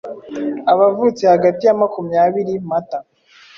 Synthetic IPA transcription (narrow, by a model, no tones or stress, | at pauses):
aβavuːt͡sehaɡatijamakumɲaβiɾimata